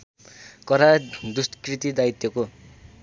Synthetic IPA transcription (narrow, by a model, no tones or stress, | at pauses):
kʌɾad̪ustkrit̪id̪ait̪joko